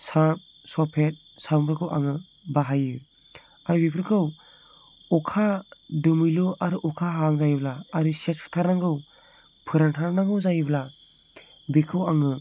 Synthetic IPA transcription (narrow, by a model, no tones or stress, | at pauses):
sap̚ | sɔpʰet̚ | sabɯɾkʰɯwʔa̰ŋɯ | baɦajɯ | aɾɯbipʰɯɾkʰɯw | ɔkʰadɯmɯjlɔʔaɾɯʔɔkʰaɦaŋzajblaːɾɯsespʰɯ̥tʰaɾnaŋɡɯw | pʰɯɾaŋtʰaɾnaŋɡɯwzajɯbla | bikʰɯwaŋɯ